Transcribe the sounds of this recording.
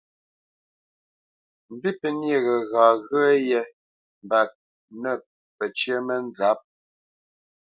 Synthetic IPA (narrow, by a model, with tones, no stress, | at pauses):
m̩˨bi˦pə˨nje˨ɣɛ˨ɣaː˨ɣə˦jɛ˦ | m̩˨ba˨p̚ | nə˦˨ | pə˨t͡ʃjə˦mə˦nd͡za˨˦p̚